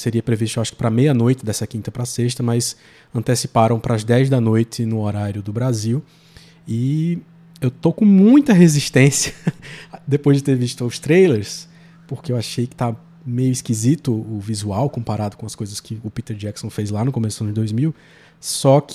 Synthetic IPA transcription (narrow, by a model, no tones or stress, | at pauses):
seɾiɐpɾeviʃ̬t̪ewaʃʊ̥kɪpɾɐmejɐnojt̪ɪd̪ɛsɐkĩnt̪ɐpɾɐseʃt̪ɐmɐjs | ɐ̃nt̪esipaɾɐ̃w̃pɾɐzd̪ɛjzd̪ɐnojt̪ɪnʊoɾaɾjʊd̪ʊbɾaziw | ɪ | ewt̪okõmũj̃t̪ɐɦeziʃt̪ẽsiɐ | d̪epojzd͡ʒɪt̪eɾviʃt̪ʊʊst̪ɾejleɾs | poɾkeewaʃejkɪ̥t̪aɐ | mejʊiskizit̪ʊʊvizuawkõpaɾad̪ʊkõɐskojzɐskɪʊpit̪eɾd͡ʒɛksõfezlanʊkõmesʊɐ̃ñd͡ʒɪd̪ojzmiw | sɔkɪ